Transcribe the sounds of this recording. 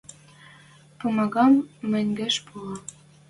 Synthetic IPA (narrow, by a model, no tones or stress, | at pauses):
pumɑɣɑmːɘ̆nʲɡɘ̆ʃpulˠɑ